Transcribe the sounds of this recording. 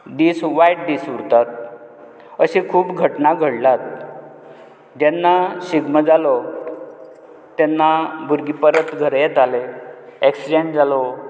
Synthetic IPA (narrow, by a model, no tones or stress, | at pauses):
ɖ̪iːsʋajʈ̚d̪isuɾt̪at̪̚ | əɕekʰuːpɡʱəʈnaɡʱəɽlat̪̚ | d͡ʑɛnːaɕiɡməd͡zalɔ | t̪ɛnːabʱuɾɡipəɾət̪ɡʱəɾjɛt̪aleeksd͡ʑend͡zalɔ